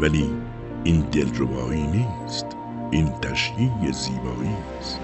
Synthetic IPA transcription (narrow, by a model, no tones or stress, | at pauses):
væliː | ʔind̪elɾebɒːiːniːst̪ | ʔint̪ʰæʃjiːɡeziːbɒːiː | st̪